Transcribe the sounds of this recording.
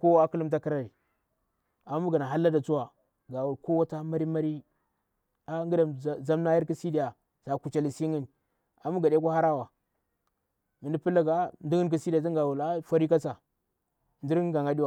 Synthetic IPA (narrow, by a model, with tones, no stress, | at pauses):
ko˦wa˦ki˦lu˦mt̬a˦ki˦ɾa˦ɾi˨ | a˨˦mu˦ɡa˨na˨ɦa˦lːa˦da˨t͡su˦wa˨ | ɡa˨wu˨lko˦wa˦ta˦ma˦ɾi˦ma˦ɾi˦ | a˦ŋ˦ɡi˦da˨za˦mna˦ji˦ɾki˦si˦di˦ja˨ | z̥a˨ku˨t͡ʃa˨li˨si˦ŋi˦n | a˨mu˦ɡa˨de˦k̬o˦ha˦ɾa˦wa˨ | mi˨ndi˦pi˦lːa˦ɡa˨ndu˦ŋi˦nk̬i˦si˦da˨t̬i˦ɡa˨wu˨la˦fa˦ɾi˦ka˦t͡sa˨ | ndi˦ɾɡa˨ŋɡa˦di˦wa˨